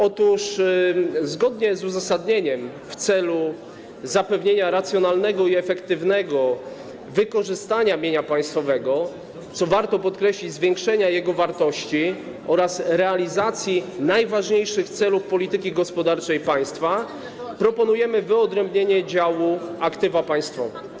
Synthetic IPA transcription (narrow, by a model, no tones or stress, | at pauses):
ɔt̪uʂ | zɡɔd̪ɲɛzuzasad̪ɲeɲɛm | ft̪sɛlu | zapɛvɲeɲaɾat̪sʲjɔnalnɛɡɔiɛfɛkt̪ɘvnɛɡɔ | vɘkɔʐɘst̪aɲamʲjeɲapaj̃st̪fɔvɛɡɔ | t̪sɔvaɾt̪ɔpɔt̪kɾɛɕlʲid͡ʑzvʲjɛŋkʂɛɲajɛɡɔvaɾt̪ɔɕt͡ɕi | ɔɾasɾɛalʲizat̪sʲjinajvaʐɲejʂɘxt̪sɛlufpɔlʲit̪ɘkʲiɡɔspɔd̪aɾt͡ʂɛjpaj̃st̪fa | pɾɔpɔnujɛmɘvɘɔd̪ɾɛmbɲeɲɛd͡ʑawuakt̪ɘvapaj̃st̪fɔvɛ